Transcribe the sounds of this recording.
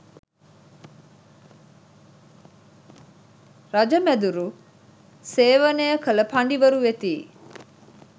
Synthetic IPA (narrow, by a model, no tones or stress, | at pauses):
ɾɐd͡ʒɐmæd̪uɾu | seːʋɐnejəkɐlɐpɐɳɖiʋɐɾuʋet̪iː